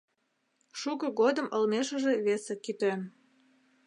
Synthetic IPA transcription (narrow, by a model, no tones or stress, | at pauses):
ʃukɤɣod̪ə̆mʔə̆lmeʃə̆ʒeβesekit̪øn